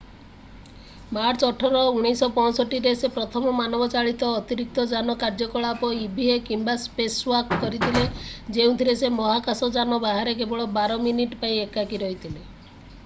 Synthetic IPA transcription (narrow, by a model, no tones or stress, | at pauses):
maɾt͡ʃɔʈʰɔɾɔuɽ̃isɔpɔ̃ɔsɔʈiɾesepɾɔt̪ʰɔmɔmanɔbɔt͡ʃaɭit̪ɔːt̪iɾik̚t̪ɔd͡ʒanɔkaɾd͡ʒɔkɔɭapɔibʱiɦekimbaspeswakkɔɾit̪ʰiled͡ʒeũt̪ʰiɾesemɔɦakasɔd͡ʒanɔbaɦaɾek̬ebɔɭɔbaɾɔminiʈpaĩekakiɾɔɦit̪ʰile